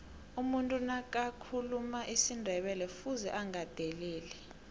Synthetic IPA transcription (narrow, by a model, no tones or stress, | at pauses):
umuntʼunak̬ʼakʰulumaʔisindʱɛɓɛlɛfuzɛ̰ʔaŋad̥ʱɛleːlɛ